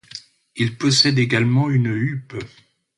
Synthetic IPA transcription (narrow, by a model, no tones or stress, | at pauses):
ilpɔsɛd̪eɡalmɑ̃ynyp